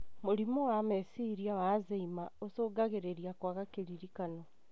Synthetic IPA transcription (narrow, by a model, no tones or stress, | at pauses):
moɾimowamesiɾiawaːzeimaosoːɡaɣeɾeɾiakwaɣakeɾiɾikano